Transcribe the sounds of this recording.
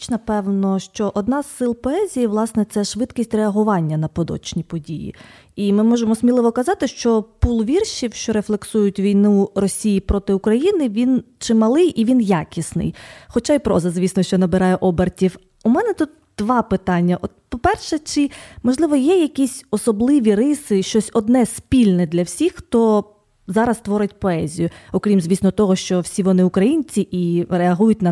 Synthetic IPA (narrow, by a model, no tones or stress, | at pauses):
t͡ʃnɐpɛwnɔʃt͡ʃɔʔɔd̪nɑz̥sɪlˠpɔɛzʲijiʋlˠɑsnɛt̪sɛʃʋɪd̪kʲisʲtʲreɐɦʊʋɑnʲːɐnɐpɔd̪ɔ̰t͡ʃnʲipɔdʲijḭ | imɪmɔʒemɔsmʲilˠɪʋɔkɐzɑt̪ɪʃt͡ʃɔpulˠʋʲirʃiwʃt͡ʃɔɾeflˠeksujʊtʲʋʲijnuɾɔsʲijipɾɔt̪ɪʊkɾɐjinɪʋʲint͡ʃɪmɐlˠɪjʔiʋʲinjakʲisnɪ̰jxɔt͡ʃɑipɾɔ̰zɐzʲʋʲisnɔʃt͡ʃɔnɐbɪɾɑjɛʔɔbertʲiw | umɛnɛt̪ut̪̚d̪̥ʋɑpɪt̪ɑnʲːɐʔɔt̪̚pɔpɛrʃɛt͡ʃɪmɔʒlˠɪʋɔjɛjɐkʲisʲɔsɔblˠɪʋʲiɾɪsɪʃt͡ʃɔsʲɔd̪nɛspʲilʲnɛd̪lʲɐwsʲixxt̪ɔ | zɑɾɐst̪ʋɔɾɪtʲpɔɛzʲijʊɔkɾʲimzʋʲisnɔt̪ɔɦɔʃt͡ʃɔwsʲiʋɔnɪʊkɾɐjinʲt͡sʲiʔiɾeɐɦujʊtʲnɐ